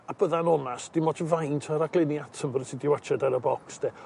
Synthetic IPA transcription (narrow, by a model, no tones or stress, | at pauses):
ab̥əðanɔnasd̥ɪmɔtəvajntʰaɾaɡlˠɪniatʰəmbərəsidɪwat͡ʃʰadaɾəbɔksd̥ɛ